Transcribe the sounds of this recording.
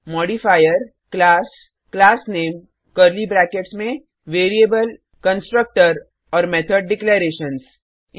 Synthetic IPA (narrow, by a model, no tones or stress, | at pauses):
mɔːɖifaːjəɾ | klaːs | klaːsneːm | kəɾlibɾɛːkeʈsmẽ | ʋeːɾieːbəl | kə̃nsʈɾək̚ʈəɾ | ɔːɾmɛːt̪ʰəɖɖɪkleɾeːʃəns